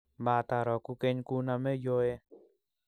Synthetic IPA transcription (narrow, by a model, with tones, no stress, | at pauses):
baː˧˨t̪a˧˨ɾɔ˨ku˧ke˧ɲku˦na˧me˦jo˦e˦˧